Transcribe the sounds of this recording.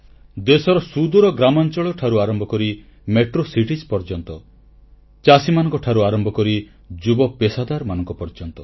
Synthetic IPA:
d̪esɔɾɔsud̪uɾɔɡɾamɔnt͡ʃɔɭɔʈʰaɾuaɾɔmbɔkɔɾi | meʈɾosiʈid͡ʒpɔɾd͡ʒɔnt̪ɔ | t͡ʃasimanɔ̃ŋkɔʈʰaɾuaɾɔmbʱɔkɔɾi | d͡ʒubɔpesad̪aɾmanɔŋkɔpɔɾd͡ʒɔnt̪ɔ

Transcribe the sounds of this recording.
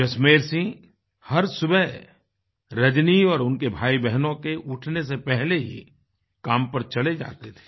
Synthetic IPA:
d͡ʒɐsmeːɾsĩ | hɐɾsʊbɛ | ɾɐd͡ʒniɔːɾʊnkebʱaːibɛɦnõkeʔʊʈʰnes̬epɛɦleɦḭ | kaːmpɐɾt͡ʃɐled͡ʒa̰ːt̪et̪ʰe̥

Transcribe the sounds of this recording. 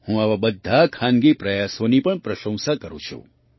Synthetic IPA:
hũaʋabəd̪ʱːakʰanɡipɾəjasonipəɳpɾəʃə̃w̃sakəɾṵ̃t͡ʃʰṵ

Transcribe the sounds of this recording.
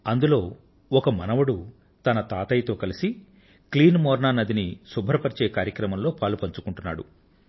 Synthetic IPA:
ɐnd̪ulo̞ː | ɔkɐmɐnɐʋɐɽu | t̪ɐnɐt̪aːt̪ɐjt̪o̞ːkɐlisi | kliːnmɔːɾnaːnɐd̪inisubʱɐɾɐpɐɾit͡ʃeːkaːɾjɐkɾɐmɐmlo̞ːpaːlupɐɲt͡ʃukuɳʈunːa̰ːɽṵ

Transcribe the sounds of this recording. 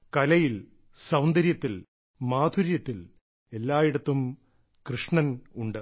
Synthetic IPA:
kɐlɐjil | sɐwnd̪ɐɾjɐt̪ːil | maːd̪ʱuɾjɐt̪ːil | e̞lːaːjiɽɐt̪ːum | krɨʂɳɐnuɳɖɨ

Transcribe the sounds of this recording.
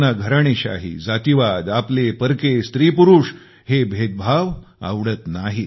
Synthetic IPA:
naɡʱəɾaɳ̃eɕa̰ɦḭd͡zat̪iʋad̪aplepəɾkest̪ɾipuɾuʂ | hebʱet̪̚bʱaʋa̰ʋɽət̪naɦi

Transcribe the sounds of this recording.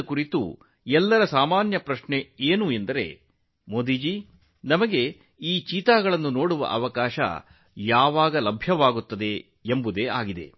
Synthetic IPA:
kuɾit̪ṵ | ɛlːɐɾɐsaːmaːnjɐpɾɐʃɳeeːnuend̪ɐɾe̞̰ | moːd̪iːd͡ʒi | nɐmɐɡe̞ | iːt͡ʃiːt̪aːɡɐɭɐnːuno̞ːɽuʋɐ̰ʔɐʋɐkaːʃɐ̰ | jaːʋaːɡɐlɐbʱjɐʋaːɡut̪ːɐd̪e̞ | embud̪e̞ːa̰ːɡid̪e̞̰

